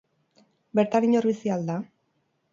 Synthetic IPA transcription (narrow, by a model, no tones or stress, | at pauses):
be̞ɾt̪aniɲoɾβisiald̪a